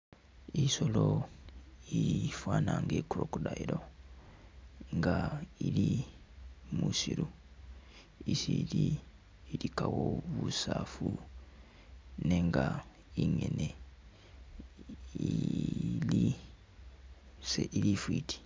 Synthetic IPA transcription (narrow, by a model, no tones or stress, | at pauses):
isolo | ifwaːnaŋɡekuɾokudaiɾo | ŋɡaili | musiɾu | isili | ɾikawoβusafu | neŋɡa | iɲene | i | li | seʔilifwiːtʰi̥